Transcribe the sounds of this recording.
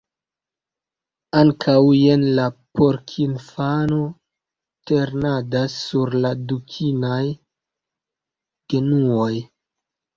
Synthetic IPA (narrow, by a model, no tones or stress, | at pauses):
aŋkʰawjenlapo̞ɾkʰinfano̞ | teɾnadasːuɾladukʰinaj | ɡ̥e̞nuo̞j